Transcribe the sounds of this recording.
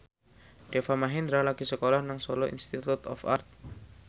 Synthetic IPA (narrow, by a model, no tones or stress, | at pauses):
ɖ̥efamaɦind̪ɾalaɡ̥isəkolɔhnaŋsɔlɔḭnst̪it̪ut̪ɔ̰fa̰rt̪̚